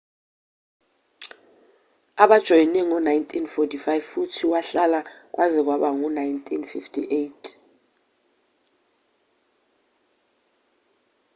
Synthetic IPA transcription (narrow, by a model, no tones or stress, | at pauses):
aɓad̥ʒ̥ʱɔjinɛŋɔnajntʰʼinfɔtʰʼifajvfutʰiwaɬalak̬wʔazɛk̬waɓaŋɔnajntʰʼinfiftʰʼḭʔejtʰ